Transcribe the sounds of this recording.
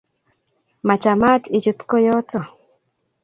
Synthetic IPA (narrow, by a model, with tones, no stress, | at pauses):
ma˨t͡ʃa˨ma˦ti˨t͡ʃu˨t̪kɔ˦jɔ˦tɔ˨